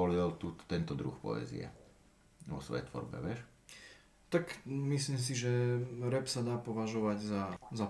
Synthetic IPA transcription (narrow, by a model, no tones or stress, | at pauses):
ɔlilt̪uːt̪t̪ɛnt̪ɔd̪ɾṵxpɔ̰ɛ̰ːzḭɛ̰ | ʋɔsʋɔ̰jɛ̰jt̪ʋɔ̰ɾbɛ̰ʋɪɛʃ | t̪akmisliːms̬iʒɛɾɛpsad̪aːpɔʋaʒɔʋaɟzaza